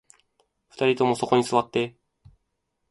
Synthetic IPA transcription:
ɸɯ̥t̪aɾʲit̪o̞mo̞so̞ko̞ɲ̟isɨβat̪ːe̞

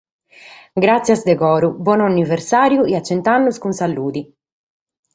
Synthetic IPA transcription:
ɡɾat̪sːjazd̪ɛkɔːɾubɔːnanːivɛɾsaːɾjuiat͡ʃːɛnt̪anːuskunsalːuːd̪i

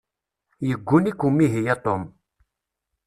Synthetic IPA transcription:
jiɡunikumiɦijat̪om

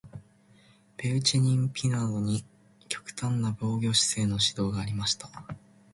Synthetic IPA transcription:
pe̞ɯ̟t͡ɕiɲ̟ĩmpʲʰinad̪o̞ɲ̟i | kʲo̞̥kɯ̟̥t̪ãnːabo̞ːɡʲo̞ːɕi̥se̞ːno̞ɕid̪o̞ːɡaːɾʲimaɕi̥t̪ḁ

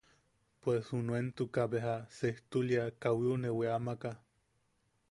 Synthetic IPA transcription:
pweshunuent̪ukaβeɦaseht̪uljakawiuneweamaka

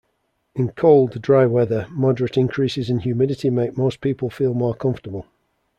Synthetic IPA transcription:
ɪ̃nkʰoʊlˠddɹaɪwɛðəmɒdəɹətɪ̃nkʰɹ̥iˑsɪzə̃nhjʉːmɪdɪtɪmeɪk̚moʊspʰiˑpəlˠfiːlˠmɔːkʰʌ̃ɱftəbəlˠ

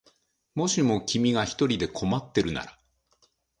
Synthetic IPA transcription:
mo̞ɕimo̞kʲimʲiɡaçi̥t̪o̞ɾʲid̪e̞kʰo̞mat̪ːe̞ɾɯ̟na̰ɾa

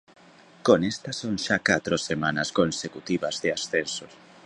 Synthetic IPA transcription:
konest̪ɐsoŋʃakat̪ɾosemãnɐskonsekut̪iβɐzðeasθensos

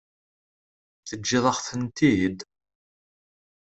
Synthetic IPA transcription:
θəd͡ʒːɪðˤɑχθənt̪id̪

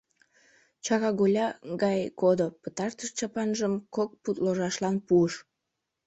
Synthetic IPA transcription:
t͡ɕɑɣɑɣolʲɑɣɑjkod̪opə̥t̪ɑrt̪əʃt͡ɕɑpɑnʒəmkok̚put̪loʒɑʃlɑnpuəʃ

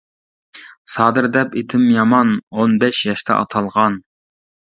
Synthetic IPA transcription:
sɑːd̪ɨɾd̪ɛpet̪ʰɪmjɑmɑnonbɛʃjɑʃt̪ʰɑ̰ʔɑ̰t̪ʰɑlˠʁɑn

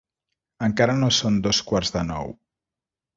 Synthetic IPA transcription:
əŋkaɾənosond̪oskwaɾzðənɔ̰w

